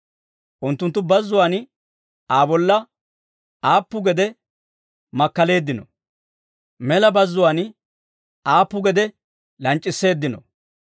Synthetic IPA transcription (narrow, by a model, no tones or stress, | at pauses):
ʔʊnt̪ːʊnt̪ːʊbɐzːʊwaːn | aːbɔlːɐ | aːpːʊɡɛd̪ɛ | mɐkːɐle̞ːd̪ːɪnɔ̰ | mɛlɐbɐzːʊwaːn | aːpːʊɡɛd̪ɛ | lɐnt͡ʃʼːɪsːe̞ːd̪ːɪnɔ̰